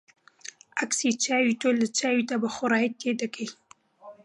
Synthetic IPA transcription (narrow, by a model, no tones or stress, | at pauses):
aksit͡ʃaːwiːt̪olət͡ʃaːwit̪abəxʊɾaːjit̪ed̪əkəj